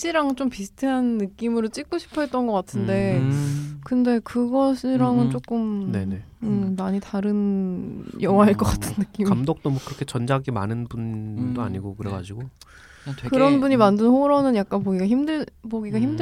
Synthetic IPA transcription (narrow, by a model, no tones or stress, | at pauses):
t͡ɕ͈ʰiɾaŋɯnt͡ɕ͈ompisʰɯ̥tʰɯɦanːɯk͈imɯɾot͡ɕ͈ik͈oɕʰi̥pʰʌet͈ʌnɡʌk͈atʰɯnde̞ | kɯnde̞kɯɡʌɕʰiɾaŋɯnt͡ɕ͈ok͈ɯmneeɯmaɲitaɾɯn | jʌwaɦaɭk͈ʌk͈atʰɯnːɯk͈imamdok̚t͈omokɯɾʌkʰe̞t͡ɕʌnd͡ʑaɡima̰nɯnbundoa̰ɲiɡokɯɾeɡa̰d͡ʑiɡo | kɯɾʌnbuɲimandɯnhoɾʌnɯnjak̚k͈anp̬oɡiɡaçimdɯpoɡiɡaçimdɯ